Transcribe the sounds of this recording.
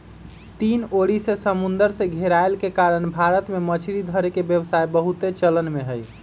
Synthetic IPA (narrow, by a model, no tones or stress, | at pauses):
t̪inoɽisẽsəmund̪əɾsẽɡʱeɾaelkekaɾənbʱaɾət̪memət͡ʃʰiɾid̪ʱəɾekebjəbsajbəɦut̪et͡ʃələnmeɦəj